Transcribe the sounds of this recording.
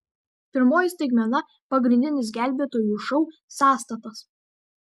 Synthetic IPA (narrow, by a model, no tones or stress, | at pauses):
pʲɪɾmoːjɪsʲt̪ɐɪɡmʲɛnɐ | pɐɡɾʲɪnʲd̪ʲɪnʲɪs̬ɡʲæˑlʲbʲeːt̪oːjuːˑʃɔʊsɑːst̪ɐt̪ɐs